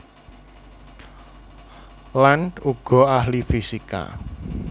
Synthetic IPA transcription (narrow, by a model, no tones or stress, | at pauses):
lanuɡ̥ɔ̤ahlifisika̰